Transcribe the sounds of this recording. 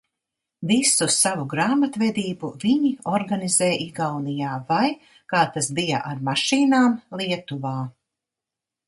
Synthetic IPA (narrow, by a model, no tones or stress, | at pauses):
visussavuɡɾaːmat̪vɛd̪iːbuviɲiɔɾɡanizɛːjʔiɡawnijaːvaj | kaːt̪asbija̰ʔaɾmaʃiːnaːmlˠiɛt̪uvaː